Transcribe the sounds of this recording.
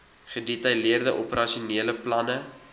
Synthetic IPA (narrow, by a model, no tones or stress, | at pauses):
χədetɐjliərdəʔopəɾɐʃiuniələplɐnə